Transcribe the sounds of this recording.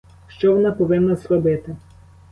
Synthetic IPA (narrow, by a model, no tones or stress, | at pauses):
ʃt͡ʃɔʋɔnɑpɔʋɪnːɐsɾɔbɪt̪ɪ